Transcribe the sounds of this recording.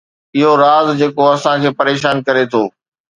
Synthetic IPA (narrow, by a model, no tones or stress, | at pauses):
ɪɦoɾaːzd͡ʑeːkoɐsãkʰeːpɐɾeːʃaːnkɐɾet̪ʰoː